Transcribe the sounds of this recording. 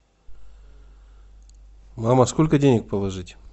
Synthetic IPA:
maməskolʲkədʲenʲɪk̚pəlˠɐʐɨtʲ

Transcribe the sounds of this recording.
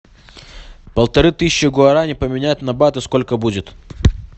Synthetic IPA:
pəlˠt̪ɐɾɨt̪ɨsʲɪt͡ɕːɪɡʊɐɾanʲɪpəmʲɪnʲæt̪ʲnɐbat̪ɨsko̞lʲkəbudʲɪt̪

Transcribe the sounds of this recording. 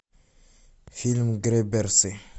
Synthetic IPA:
filmɡɾebeɾse

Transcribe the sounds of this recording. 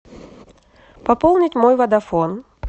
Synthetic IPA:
pɐpolˠnʲɪtʲmojvɐd̪ɐfon

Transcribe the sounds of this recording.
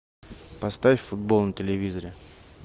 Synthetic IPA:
pɐst̪afʲfʲfʊd̪̚bolˠnətʲɪlʲɪvʲizəɾʲɪ

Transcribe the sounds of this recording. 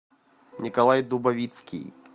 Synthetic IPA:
nʲikalˠajd̪ubavʲit̪skʲḭj

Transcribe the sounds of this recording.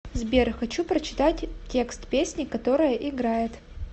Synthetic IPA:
zbʲerxɐt͡ɕupɾət͡ɕɪ̥t̪atʲtʲːe̞kst̪pʲesʲnʲɪkɐt̪o̞ɾɨjəʔɪɡɾajɪt̪

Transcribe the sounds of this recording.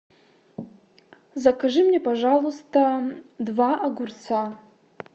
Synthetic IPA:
zakʰaʐɨmnʲepaʐalˠust̪ʰɐdvaʔaɡʷʊrt͡sʰa

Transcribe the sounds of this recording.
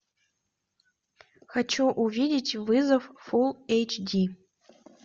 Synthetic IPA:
xat͡ʃʰuʔuvʲidʲitʰʲvɨzɐvfulˠejt͡ʃʰdi

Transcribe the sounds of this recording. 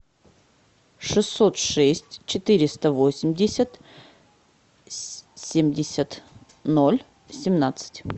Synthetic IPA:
ʂɨsːot̪ʂɛsʲtʲt͡ɕɪt̪ɨɾʲɪst̪əvosʲɪmʲdʲɪsʲət̪ | sʲemdʲɪsʲət̪ | nolʲ | sʲɪmnat̪sɨ̥tʲ

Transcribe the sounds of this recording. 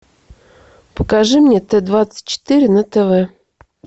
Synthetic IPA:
pə̥kaʐɨmnʲet̪ɛd̪vat̪t͡sːə̥t̚ʲt͡ɕːɪ̥t̪ɨɾʲɪnət̪ɛvɛ

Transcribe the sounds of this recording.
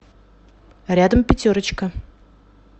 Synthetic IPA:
ɾʲad̪əmpʲɪtʲoɾət͡ɕkə

